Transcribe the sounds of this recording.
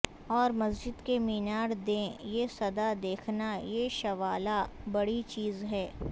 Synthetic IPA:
ɔːɾmɐs̬d͡ʒɪd̪kemiːnaːɾd̪ẽjesɐd̪ad̪eːkʰnajeʃɐʋaːlabɐɽit͡ʃiːzɦɛː

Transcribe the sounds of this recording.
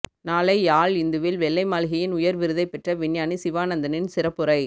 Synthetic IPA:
naːlɐɪaːlɪnd̪ɯʋɪlʋɛlːɐɪmaːlɣɐjɪnʊjɐɾʋɪɾɯðɐɪpːɛʈrɐʋɪnjaːnisɪʋaːnɐnd̪ɐnɪnsɪɾɐpːɯɾɐɪ

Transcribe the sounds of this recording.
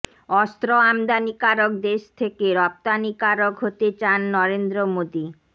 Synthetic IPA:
ɔst̪ɾoamd̪anikaɾok̚d̪eʃt̪ʰekeɾɔp̚t̪anikaɾokɦot̪et͡ɕanːɔɾend̪ɾomod̪i

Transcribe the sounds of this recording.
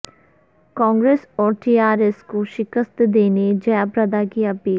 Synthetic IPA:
kɔ̃ːŋɡɾeːsɔːɾʈiːaːɾeːskoʃɪkəst̪d̪eːned͡ʒɐjapɾɐd̪akiɐpiːl

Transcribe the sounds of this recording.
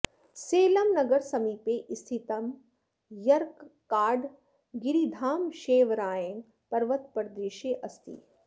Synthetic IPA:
seːlɐmnɐɡɐɾsɐmiːpeːʔist̪ʰit̪ɐm | jɐɾkː | aːɖ | ɡiɾid̪ʱaːmʃeːʋɾaːjen | pɐɾʋɐt̪pɐɾd̪eːʃeːʔɐst̪ḭ

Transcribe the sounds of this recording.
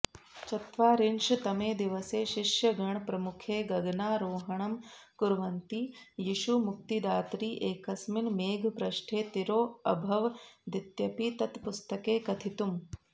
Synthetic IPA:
t͡ʃɐt̪ʋaːɾinʃt̪ɐmeːd̪iʋɐseːʃiʂjɐɡɐɳpɾɐmukʰeːɡɐɡnaːɾoːɦɐɳɐmkuɾʋɐnt̪iːjiʃumuk̚t̪id̪aːt̪ɾiːʔeːkɐsminmeːɡʱpɾɐʃʈʰeːt̪iɾoːɐ̰bʱɐʋd̪it̪jɐpit̪ɐt̪pust̪ɐkeːkɐt̪ʰit̪um

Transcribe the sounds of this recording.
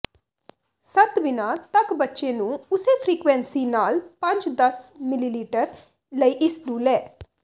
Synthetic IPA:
sət̪bɪnãːt̪əkbətːʃeːnũːʊseːpʰɾiːkʋɛ̃nsiːnaːlpə̃ɲd͡ʒd̪əsmɪliːliːʈəɾ | ləiːʔɪsnũːlɛː

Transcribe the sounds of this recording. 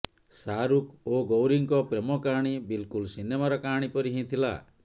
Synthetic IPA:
saɾukoɡowɾiŋkɔpɾemɔkaɽ̃ibilkulsinemaɾɔkaɽ̃ipɔɾiɦĩt̪ʰila̰

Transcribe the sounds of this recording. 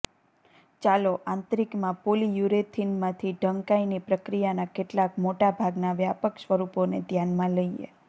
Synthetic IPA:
t͡ʃaloʔãnt̪ɾikmãpolijuɾet̪ʰinmãt̪ʰiɖʱəŋkainipɾəkɾijanakeʈlakmoʈabʱaɡnaʋjapəkʃʋəɾuponed̪ʱjanmãləiḛ

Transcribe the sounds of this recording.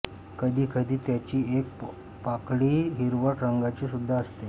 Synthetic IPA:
kəd̪ʱiːkəd̪ʱiːt̪jat͡ɕiːek̚ | pakɽiːɦiɾʋəʈɾəŋɡat͡ɕiːsud̪ʱːaəst̪e

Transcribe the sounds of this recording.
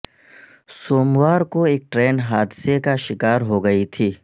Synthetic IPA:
soːmwaːɾkoeːk̚ʈɾeːnɦaːd̪sekaʃɪkaːɾɦoɡɐit̪ʰiː

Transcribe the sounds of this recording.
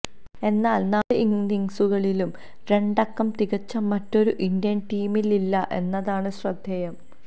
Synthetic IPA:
e̞nːaːlnaːɭɨʔiŋdiŋsuɣɐɭilum | ɾe̞ɳɖɐkːɐmt̪iɣɐt͡ɕːɐmːɐtːo̞ɾuʔindijɐnʈiːmililːɐʔe̞nːɐðaːɳɨɕrɐd̪ʱjɐjɐm

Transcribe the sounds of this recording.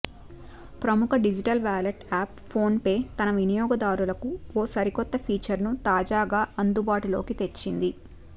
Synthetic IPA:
pɾɐmukʰɐɖid͡ʒiʈɐlʋaːlɐʈaːp̚pʰo̞ːnpe̞ːt̪ɐnɐʋinijɔːɡɐd̪aːɾulɐkuɔːsɐɾikɔt̪ːɐpʰiːt͡ʃɐɾnut̪aːd͡ʒaːɡaːʔɐnd̪ubaːʈulo̞̰ːkit̪e̞t͡ʃːind̪i

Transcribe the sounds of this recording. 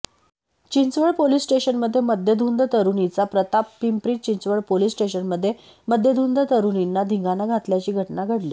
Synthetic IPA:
t͡ɕint͡sʋəɭpolisʈeɕənməd̪ʱːjeməd̪ʱjəd̪ʱund̪ət̪əɾunit͡sapɾət̪apːimpɾiːt͡ɕint͡sʋəɭpolisʈeɕənməd̪ʱːje | məd̪ʱjəd̪ʱund̪ət̪əɾuninːad̪ʱiŋɡanaɡʱat̪ljat͡ɕiːɡʱəʈnaɡʱəɽli

